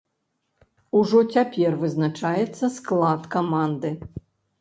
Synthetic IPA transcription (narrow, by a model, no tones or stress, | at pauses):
uʐɔt͡sʲapʲɛrvɨznat͡ʂajɛt̪sːɐsklˠat̪kamand̪ɨ